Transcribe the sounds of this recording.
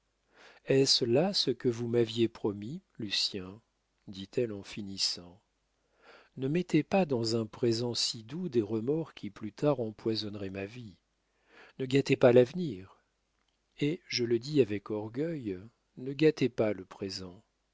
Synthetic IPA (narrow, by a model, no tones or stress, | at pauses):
ɛslasəkəvumavjepχɔmilysjɛ̃ | d̪it̪ʰɛlɑ̃finisɑ̃ | nəmɛt̪ʰepad̪ɑ̃zɛ̃pχezɑ̃sid̪ud̪eʁəmɔʁkʲʰiplyt̪aʁɑ̃pwazɔnʁɛmavi | nəɡat̪epalavniʁ | eʒələd̪iavɛkɔʁɡʲœj | nəɡat̪epaləpχezɑ̃